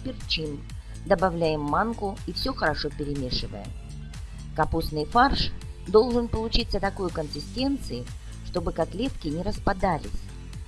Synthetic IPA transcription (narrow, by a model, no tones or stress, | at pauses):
pʲɪrt͡ɕim | d̪əbavlʲæjɪmːankʊifsʲoxəɾɐʂo̞pʲɪɾʲɪmʲeʂɨvə̰jə̰ | kɐpusnɨjfarʂd̪o̞lˠʐɨnpəlˠʊt͡ɕit̪sːət̪ɐko̞jkənsʲɪsʲtʲe̞nt̪sɨɪ | ʂt̪o̞bɨkɐt̪lʲe̞t̪kʲɪnʲɪɾəspad̪alʲɪ̰sʲ